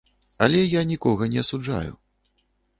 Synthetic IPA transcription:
ɐlʲɛjanʲikɔɣɐnʲɛɐsud͡ʐa̰jṵ

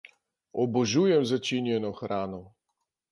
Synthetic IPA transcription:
ɔbɔʒujɛmzat͡ʃinjɛnɔxɾaːnɔ

